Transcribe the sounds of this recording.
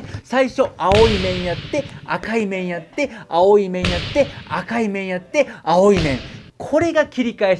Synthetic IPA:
saiɕo̞aoimẽ̞ɰ̃jat̪ːe̞a̰kaimẽ̞ɰ̃jat̪ːe̞aoimẽ̞ɰ̃jat̪ːe̞akaimẽ̞ɰ̃jat̪ːe̞ao̞imẽ̞ŋkʰo̞ɾe̞ɡakʲiɾʲikae

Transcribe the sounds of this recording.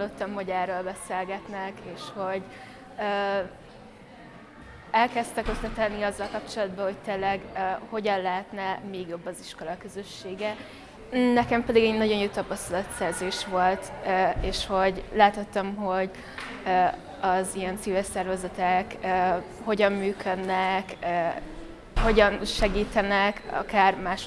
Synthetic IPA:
lːo̞t̪ːɒmho̞ɟɛːrːøːlbɛseːlɡɛt̪nɛkeːʃho̞ɟ | øː | ɛlkɛst̪ɛkøsɛt̪ɛnːiɒzːɒlkɒp̚t͡ʃo̞lɒd̪̚bɒho̞c̚t̪eːlːɛɡho̞ɟɒnlɛɦɛt̪nɛmeːɡjo̞bːɒziʃko̞lɒkø̞zø̞ʃːeːɡɛ | nːɛkɛmpɛd̪iɡɛɟnɒɟo̞njoːt̪ɒpɒst̪ɒlɒt̪sɛrzeːʃʋo̞lt̪eːʃho̞ɟlaːt̪ot̪ːɒmɦo̞ɟ | ɒzijɛnt̪siːvɛrsɛrvɛzɛt̪ɛkː | ho̞ɟɒmːyːkʰød̪nɛkː | ho̞ɟɒnʃɛɡiːt̪ɛnɛkɒ̰kaːrmaːʃ

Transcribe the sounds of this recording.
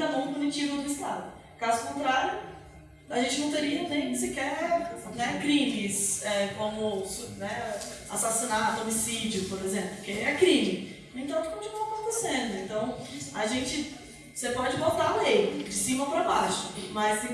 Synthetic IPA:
ɐbõw̪̃ʊkunit͡ʃivɐnʊɪst̪ad̪ʊ | kazʊkõnt̪ɾaɾjʊ̃ | aʒẽnt͡ʃɪñt̪eɾiɐnẽj̃nĩsɪkɛnɛkɾĩmɪsɛkõmʊsnɛa̰sasinat̪ʊomisid͡ʒjʊpoɾezẽmplʊkɪɛkɾĩmɪ | ẽnt̪ɐ̃kkõnt͡ʃinuɐkõt̪esẽd̪ʊẽnt̪ɐ̃w̃aʒẽnt͡ʃɪ | sepɔd͡ʒɪvowt̪alejd͡ʒɪsĩmɐpɾabaʃʊ̥mɐs

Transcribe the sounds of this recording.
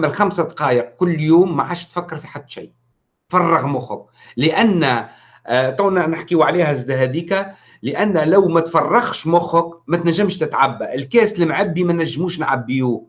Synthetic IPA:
mælxamsad̪qɑːjəq̚kʊlːjuːmːaʕaːʃt̪fækːɑɾˤfiħad̪ːʃiː | t̪fɑrˤːɑɣmʊxʊk̚ | lɪʔænːæ | t̪ˤuːnænəħkiwʕaliːhæzɪd̪æɦæd̪iːkæ | lɪʔænːlæwmæt̪fɑrˤːɑɣʃmʊxʊkmæt̪næʒːamʃt̪ɪt̪ʕabːæʔɪlkæːslmʕɪbːimænæʒːmuːʃnʕabːijuː

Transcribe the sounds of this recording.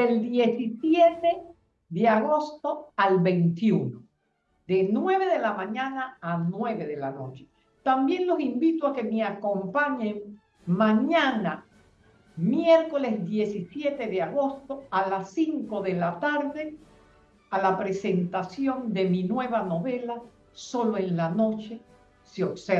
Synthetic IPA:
deld̪je̞sisjet̪e | ðeaɣo̞st̪o̞alβe̞jnt̪juno | ðe̞nwe̞β̞e̞ðe̞lamãɲãnaanwe̞βe̞ðe̞la̰no̞t͡ʃe̥ | t̪ambje̞nlo̞simbit̪oake̞meako̞mpaɲeŋ | mãɲãna | mje̞ɾko̞le̞zðje̞sisje̞t̪e̞ðeaɣo̞st̪o̞alasiŋko̞ðe̞lat̪aɾðe̞ | alapɾe̞se̞nt̪asjo̞nd̪e̞minwe̞βano̞βe̞la | so̞lo̞enlano̞t͡ʃe̞ | seokse

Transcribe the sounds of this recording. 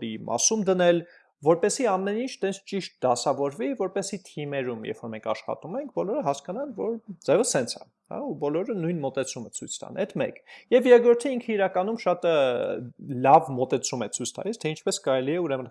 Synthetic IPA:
ɾimʔɑ̰sumd̪ənɛl | vɔɾpɛsiɑmɛnint͡ʃʰt̪ɛnt͡sʰt͡ʃiʃt̪̚d̪ɑsɑvɔɾvivɔɾpɛsit̪ʰimɛɾumjɛ̰fɔɾmɛŋkʰɑ̰ʃχɑ̰t̪umɛŋk̚ʰbɔlɔɾəɦɑskɑnɑnvɔɾd͡zɛvəsɛnt͡sʰɑ̰ | hɑ̰ubɔlɔɾənujnmɔt̪ɛt͡sʰumət͡sʰujt͡sʰt̪ɑ̰nɛt̪mɛ̰kjɛvjɛɾɡɾɔɾt̪ʰəiŋkʰəiɾɑkɑnumʃɑt̪ | lɑvmɔt̪ɛt͡sʰumɛt͡sʰujt͡sʰt̪ʰɑ̰list̪ʰɛint͡ʃʰpɛskɑɾɛliɛuɾɛmən

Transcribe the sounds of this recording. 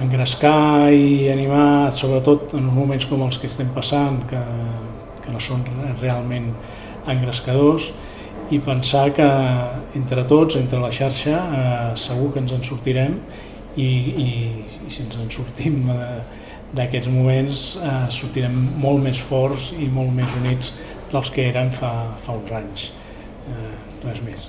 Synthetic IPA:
əŋɡɾəskaiənimasoβɾət̪ot̪ənunzmumenskɔməlˠskəst̪ɛmpəsankə | kənosonrealˠmen | əŋɡɾəskəð̞os | ipənsakəent̪ɾət̪od͡zent̪ɾələʃaɾʃəsəɣ̞ukənzənsuɾt̪iɾɛm | i | siənzənsuɾt̪imə | d̪əkɛd͡zmumensɛsuɾt̪iɾɛmːolˠmesfɔɾzimolˠmezunid͡z | d̪̥əlˠskəeɾəmfafaunzaɲs | t̪rɛzmes

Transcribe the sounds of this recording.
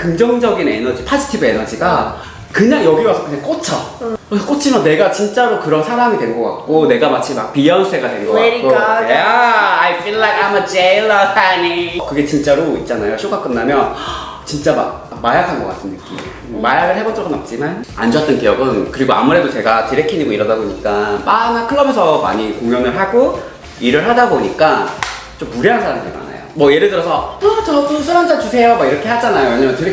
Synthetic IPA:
kɯŋd͡ʑʌŋd͡ʑʌɡine̞̰nʌd͡ʑipʰad͡ʑitʰibɯe̞nʌd͡ʑiɡa | kɯɲaŋjʌɡiwasʰʌk͈ɯɲaŋk͈ot͡ɕʰʌksʰk͈ot͡ɕʰimjʌnːe̞ɡat͡ɕint͡ɕ͈aɾokɯɾʌnsʰaɾamidwe̞nɡʌk͈a̰k̚k͈one̞ɡamat͡ɕʰimak̚pijansʰe̞ɡadwe̞nɡʌak͈okajaajfilːaɪkaməd͡ʑelʌanikɯɡe̞t͡ɕint͡ɕ͈aɾoit̚t͡ɕ͈anajoɕʰoɡak͈ɯnːamjʌn | t͡ɕint͡ɕ͈ama̰k̚ | majakʰanɡʌk͈a̰s͈ɯmnɯk͈ḭ | majaɡɯɭɦe̞bot͡ɕ͈ʌɡɯnʌp̚t͡ɕ͈imana̰nd͡ʑʌt͈ʌnkijʌɡɯnkɯɾiɡoa̰muɾe̞dot͡ɕe̞ɡatiɾekʰiɲiɡoiɾʌdaboɲik͈amanakʰɯɭːʌbesʰʌma̰ɲikoŋjʌnɯɭɦaɡo | iɾɯɭɦadaboɲik͈a | t͡ɕ͈omːuɾʌɦansʰaɾamdima̰na̰jo̰mʌjeɾɯɭdɯɾʌsʰʌʌt͡ɕʌdosʰɯɾand͡ʑat͡ɕusʰe̞jomaiɾʌkʰe̞had͡ʑanajoweɲamʌntɯɾe

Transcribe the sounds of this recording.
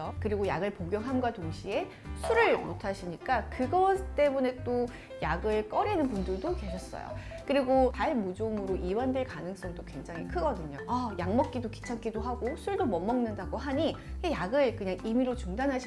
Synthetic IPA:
ʌkɯɾiɡoja̰ɡɯɭpoɡjʌŋɦamɡwatoŋɕʰie̞ | sʰuɾɯɭmotʰaɕʰiɲik͈akɯɡʌt͈e̞mune̞t͈o | jaɡɯɭk͈ʌɾinɯnpundɯɭdoke̞ɕʰʌs͈ʌ̰jo̰ | kɯɾiɡotaɭmud͡ʑomɯɾoʔiwandweɭkanɯŋs͈ʌŋdokwe̞ŋd͡ʑaŋɦikʰɯɡʌdɯɲoajaŋmʌk̚k͈idoki̥t͡ɕʰaŋk͈idoɦaɡosʰuɭdomʌmːʌŋnɯndaɡoɦaɲikejaɡɯɭkɯɲaŋimiɾot͡ɕuŋdanɦaɕʰi

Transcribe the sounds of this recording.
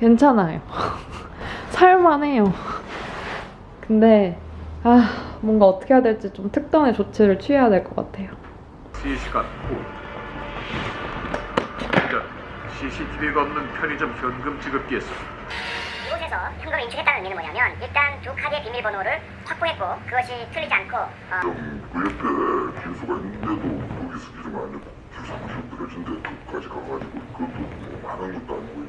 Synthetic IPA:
kwe̞nt͡ɕʰanajo | sʰajmane̞jo | kɯnde̞amwʌnɡaʌt͈ʰɯ̥kʰejadwe̞ɭt͡ɕ͈it͡ɕomtʰɯk̚t͈ʌnet͡ɕot͡ɕʰe̞ɾɯɭt͡ɕʰiejadwe̞ɭk͈ʌk͈a̰tʰe̞jo | ɕʰiɕʰi̥ɡat̚kʰo | k͈an | ɕʰiɕʰitʰibiɡaʌmnɯnpʰjʌɾid͡ʑomkjʌnɡɯmt͡ɕʰiɡɯɭ̚k͈ies͈ʌs | iɡosʰe̞sʰʌçjʌŋɡʌmeimt͡ɕʰɯkʰet͈annminmʌɲamjʌniɭt͈antukʰaɡiepimiɭbʌnoɾɯɭ | ɸak̚p͈oɦe̞t̚k͈okɯɡʌɕʰitʰɯɭʎːid͡ʑiankʰo | ʌmkujʌpʰekisʰoɡainɯnd̪edooɡis͈ʰɯ̥ɡid͡ʑemʌnanik | kusʰaŋɕʰotɯɾʌd͡ʑʰinde̞tok͈ad͡ʑikaɡad͡ʑiɡokɯt͈omomananɡʌt͈̚oaɲiɡo

